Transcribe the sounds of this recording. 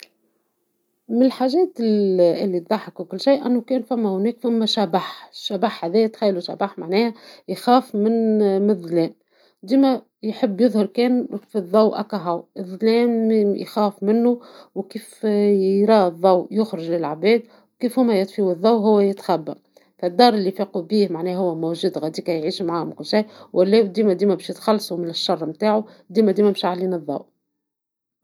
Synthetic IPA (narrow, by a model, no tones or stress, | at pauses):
mɪnɪlħaːʒɛːt̪ɪlːit̪ðˤɑħɑkwkʊlːʃiːʔænːʊkɛːnfæmːæhʊnɛːkfæmːæʃæbaħʃæbaħhæðɛːæt̪xajːluʃa̰baħmaʕnɛːhæjxæːfmɪnmɪnðˤːlɛːn | d̪iːmæ | jħəbːjɨðˤhɑɾkɛːnfiðˤːɑwʔæ̰kæɦawʔɪðˤːlɛːnjxɑːfmɪnːuwkiːf | ɾˤɑːðˤːɑwjʊxɾɪʒlɪlʕabɛːd̪ | wkiːfhʊmːæjɑt̪ˤfiːwɨðˤːɑwɦʊwːæjɪt̪xæbːæ | fæd̪ːɑːɾˤɪlːifiːqubiːhmaʕnɛːɦʊwːæmuwʒuːd̪ɣæd̪iːkæjʕiːʃmʕaːhʊmkʊlʃiːwʔælːɛːd̪iːmæd̪iːmæbɛːʃjɪt̪xɑlːsˤumɪnɪʃːɑrˤːmt̪aːʕu | d̪iːmæd̪iːmæmʃaʕliːnɨðˤːɑ̰w